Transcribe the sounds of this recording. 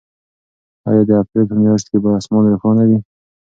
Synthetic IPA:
ɑ̰jɑd̪əapɾelpəmjɑʃ̬t̪̚kebaasmɑnɾaxɑnad̪i

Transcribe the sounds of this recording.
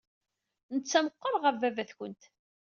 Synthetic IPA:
nət͡sːæməqːəɾˤʁəɾvævæθçənt̪

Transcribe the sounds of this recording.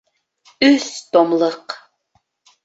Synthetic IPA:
ʉst̪omləq

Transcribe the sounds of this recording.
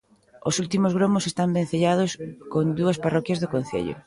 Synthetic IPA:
osult̪imozɣɾomʊsest̪ambẽn̟θeʎaðʊskond̪uɐsparɔkjɐzðokõn̟θḛʎo̰

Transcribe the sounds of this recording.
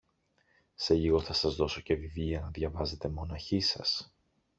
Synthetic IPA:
se̞ʎiɣo̞θɐsɐzðo̞so̞ce̞vivʎiɐnɐðʝɐvɐze̞t̪e̞mo̞nɐçisɐ̰s

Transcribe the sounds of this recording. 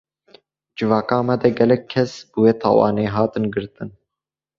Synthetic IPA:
d͡ʒɨvɑːkɑːmɛd̪ɛɡɛlɛkʰːɛsb̥ɨweːt̪ʰɑ̰ːwɑ̰ːneːɦɑːt̪ɨnɡɨɾt̪ɨn

